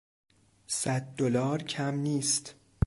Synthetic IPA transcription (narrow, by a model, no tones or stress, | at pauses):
sæd̪̚ːolɒːɾcʰæmniːst̪